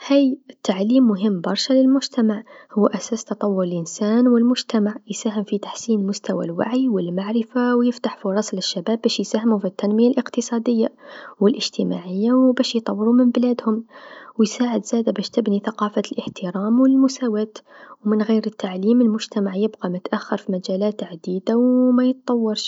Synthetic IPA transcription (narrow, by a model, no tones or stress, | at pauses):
hæjət̪ːaʕlimːʊɦəmːbɑɾˤʃaləlmʊʒt̪æmaʕhʊːʔæsæst̪ɑt̪ˤɑwːʊɾəlʔənsænwəlmʊʒt̪æmaʕjsæhəmfit̪ḁħsinəlmʊst̪æwa̰lwa̰ʕiwəlmaʕɾɪfawjəft̪aħfʊɾˤɑsləʃːæbæbːæʃjsæhmufit̪ːænməjalʔəqt̪əsˤɑd̪əjːawəlʔəʒt̪əma̰ʕəjːawbæʃjt̪ˤɑwːəɾumɪmblæːd̪hʊmwjsaːʕəd̪zæd̪abæʃt̪ɪbniθaqɑːfalʔəħt̪əɾɑːmwəlmʊsæwæːt̪wmɪnɣiːɾət̪ːaʕliːməlmʊʒt̪æmaʕjəbɣɑmʊt̪ʔaxːɑɾˤfimæd͡ʒælæːt̪ʕad̪iːd̪awmæjət̪t̪ˤɑwːɑɾʃ